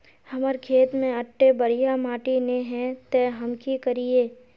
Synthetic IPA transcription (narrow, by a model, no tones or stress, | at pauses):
hɐməɾkʰeːt̪mẽɐʈːebɐɾijamaːʈineɦɛ̃t̪ɛɦɐmkikəɾieː